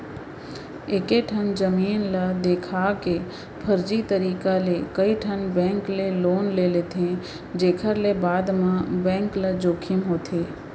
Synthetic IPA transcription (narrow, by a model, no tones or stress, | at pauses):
eːkeʈʰənd͡ʒəmiːnlad̪eːkʰake | pʰəɾd͡ʒit̪əɾiːkalekəiʈʰənbɛ̃ːŋkleloːnlelet̪ʰẽ | d͡ʒeːkʰəɾlebaːd̪mãbɛ̃ːŋkləd͡ʒoːkʰɪəmɦoːt̪ʰeː